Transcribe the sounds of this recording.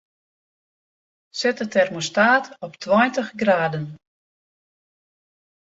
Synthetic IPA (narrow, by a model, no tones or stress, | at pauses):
sɛtətɛrmustaːtɔptʰwɔjntəχɡraːdən